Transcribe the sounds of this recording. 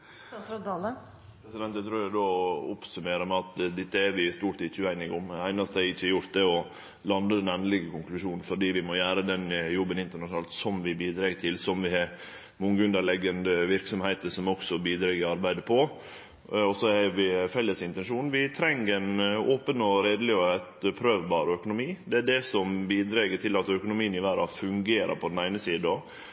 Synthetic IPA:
ɑlə | pɾɛsɪd̪ɛnt̪ət̪ʰɾuʊd̪oːʊpsʉmeːɾəmɛɑt̪d̪ɪt̪ːəɛɾʋɪst̪uːʈɪçʉæɪnɪɡʊmæɪnɑst̪æɪçːəɾjʊɾt̪̚d̪ɛɔ | lɑnd̪əd̪ɛnɛnəlɪɡəkʊŋklʉʂuːnn̩fɔɖiːʋɪmɔjæːɾəd̪ɛnjɔbːənɪnt̪əɾɳɑʂnɑːlt̪sɔmʋɪbiːd̪ɾɑːɡt̪ʰɪlsɔmʋɪhɑɾ | mʊŋɡʉnd̪əɾlɛɡːənd̪əʋɪɾksɔmhæɪt̪əʂɔmɔksɔbiːd̪ɾɑːɡɪɑɾbæɪd̪əpʰɔ | ɔsɔɛɾʋɪfɛlːəsɪnt̪ɛnʂuːnʋɪt̪ʰɾɛŋɾɛnoːpənɔɾeːd̪əlɪɔæt̪pʰɾøːʋbɑːɾœkʊnʊmiːd̪ɛæɖɛsɔmbiːd̪ɾɛɡət̪ʰɪlɑt̪œkʊnʊmiːənɪʋæɾɑ̰fʉŋɡeːɾʔə̰pʰɔd̪ɛnæɪnəsiːd̪əɔ

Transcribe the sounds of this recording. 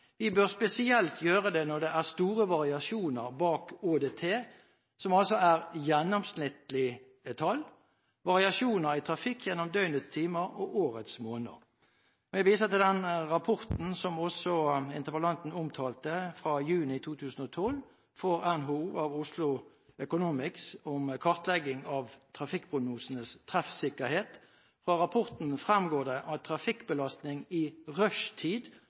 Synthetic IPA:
ʋɪbøːʁspɛsɪɛlt̪ʰjøːʁəd̪ɛnɔʁd̪ɛʔæʁst̪uːʁəʋɑʁɪɑʃuːnəʁbɑːkoːd̪eːt̪ʰeː | sɔmɑlsɔæʁjɛnːɔmsnɪt̪lɪ | t̪ʰɑl | ʋɑʁɪɑʃuːnəɾɪt̪ʰɾɑfɪkʰːjɛnːɔmd̪œʏnət̪st̪ʰiːməɾɔʔoːʁət̪smoːnə̰ʁ | ɔjɛʋiːsəʁt̪ɪld̪ɛnʁɑpʰɔʁt̪n̩sɔmɔsɔɪnt̪əʁpəlɑnt̪n̩ʊmt̪ʰɑːlt̪əfʁɑjʉːnɪt̪ʰuːt̪ʰʉːsn̩ɔt̪ʰɔl | fɔʁɛnɦuɑʋʊslʊ | œkʊnuːmɪksɔmkʰɔʁt̪lɛɡɪŋɑʋt̪ʰʁɑfɪkːpʰʁʊɡnuːsənəst̪ʰʁɛfsɪkːəʁheːt̪ | fʁɑʁɑpʰɔʁt̪n̩fʁɛmɡoːd̪əʔɑt̪ʰʁɑfɪkːbəlɑst̪nɪŋɪʁœʂt̪ʰiːd̪

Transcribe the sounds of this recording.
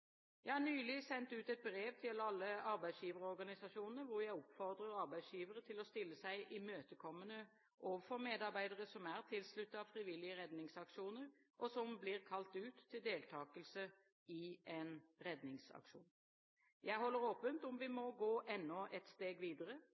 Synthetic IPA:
jæɪhɑʁnyːlɪsɛnt̪ʉːt̪ɛt̪̚bɾeːʋt̪ʰɪlɑlːəɑɾbæɪsjiːʋəɾəɔɾɡɑnɪsɑʂuːnənəɾʋʊɾjæɪɔpfɔʁd̪ɾəɾɑɾbæɪd̪sjiːʋəɾət̪ʰɪlɔst̪ɪlːəsæɪʔɪmøːt̪əkʰɔmːənə | ʔoːʋəfɔʁmeːd̪ɑɾbæɪd̪əʁəsɔmæʁt̪ʰɪlslʉt̪ːəɑʋfɾɪʋɪlɪəɾɛd̪nɪŋsɑkʂuːnəɾ | ʔɔsɔmbliːʁkʰɑlt̪ʉːt̪ʰːɪld̪eːlt̪ʰɑːkəlsə | ɪʔɛnɾɛd̪nɪŋsɑ̰kʂṵːn | jæɪɦɔlːəɾoːpənt̪ʊmʋɪmɔɡoːʔɛnːɔʔɛt̪st̪eːɡʋiːd̪əɾə

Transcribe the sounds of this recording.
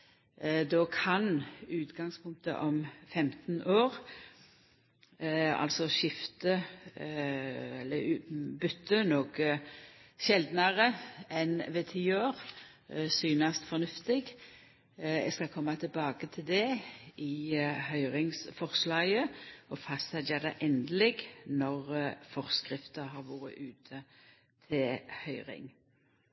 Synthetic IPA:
d̪ɔːkʰɑnʉːt̪ɡɑŋspʰʊŋk̚t̪ə̰ʔɔmfɛmt̪n̩ʔoːʁ | ɑ̰lsɔʃɪft̪ə | ɛlːəbʏt̪ʰːənɔk | ʃɛld̪nɑʁəɛnʋɛt̪ʰiːoːʁ | syːnɑst̪fɔnʉft̪ɪɡ | ɛ̰skɑkʰɔmːɑt̪ʰɪlbɑːɡət̪ʰɪld̪ɛɪhœʏʁɪŋsfɔʁslɑːɡəɔfɑst̪ɑd̪ɛːʁd̪ɛʔɛnd̪əlɪɡnɔʁfɔʁskʁɪft̪əɦɑʁʋuːʁə̰ʔʉːt̪ʰə | t̪ʰɪlhœʏʁɪ̰ŋ

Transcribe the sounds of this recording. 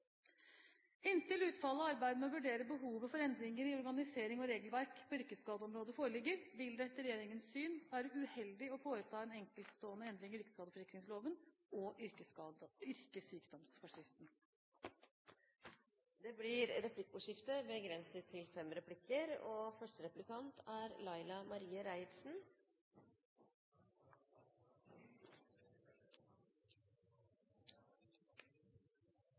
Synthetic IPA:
ɪnt̪ɪlʉːt̪fɑlːəɔɑɾbæɪd̪əmɛɔʋʉɖeːɾəbəɦuːʋəfɔɾɛnd̪ɾɪŋəɾɪɔɾɡɑnɪseːɾɪŋɔɾeːɡəlʋæɾkpʰɔʏɾkəskɑːd̪əɔmɾoːd̪əfoːɾəlɪɡːəɾʋɪld̪ɛt̪ːəɾɛjeːɾɪŋənsːyːnʋæːɾəʉhɛld̪ɪɔfoːɾət̪ʰɑːɛnɛŋkəlt̪st̪oːənəɛnd̪ɾɪŋʏɾkə̥skɑːd̪əfɔɾɪkɾɪŋsloːʋən | ɔʔʏɾəʏɾkəsyːkd̪ɔmsfɔʂɪft̪n | d̪eːblɪɾɾɛpʰlɪkːʊʂɪft̪əbəɡɾɛnsət̪ʰɪlfɛmɾɛpʰlɪkːəɾoːfœʂʈəɾɛplɪkɑnt̪ʰæɾlɑɪlɑmɑɾiːəɾæɪɾsn̩

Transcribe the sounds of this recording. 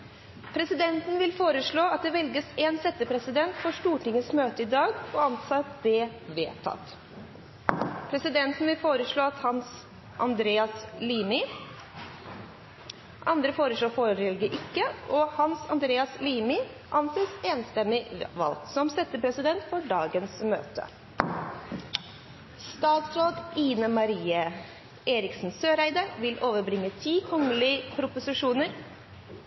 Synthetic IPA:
pʰɾɛsɪd̪ɛnt̪n̩ʋɪlfoːɾəʂɭoːɑt̪̚d̪ɛʋɛlɡəseːnsɛt̪ːəpʰɾɛsɪd̪ɛnt̪fɔʂʈuːʈɪŋːəsmøːt̪əɪd̪ɑːɡɔɑnsɑt̪d̪ɛʋeːt̪ʰɑ̰t̪ | pʰɾɛsɪd̪ɛnt̪n̩ʋɪlfoːɾəʂɭoːɑt̪hɑns | ʔɑ̰nd̪ɾeːɑsliːmɪ | ʔɑnd̪ɾəfoːɾəʂɭoːfoːɾəɾɛlɡəʔɪkːəʔɔhɑnsɑ̰nd̪ɾeːɑsliːmɪ | ʔɑnseːseːnst̪ɛmɪʋɑ̰lksɔmsɛt̪ːəpʰɾɛsɪd̪ɛnt̪fɔɖɑːɡənsmø̰ːt̪ə̰ | st̪ɑːt̪sɾoːd̪iːnəmɑɾiːə | ʔeːɾɪksn̩søːɾæɪd̪əɾʋɪlʔoːʋəɾbɾɪŋːət̪ʰiːkʰɔŋəlɪpʰɾʊpʊsɪʂuːnəɾ

